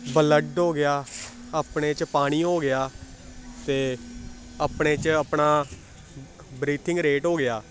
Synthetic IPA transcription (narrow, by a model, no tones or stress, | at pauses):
bələɖɦoːɡɪjaː | aːpɳeːt͡ʃpaːɽ̃iːɦoːɡɪjaː | t̪eː | aːpɳeːt͡ʃəpɳaː | bɾiːt̪ʰɪŋɡɾeːʈɦoːɡɪjaː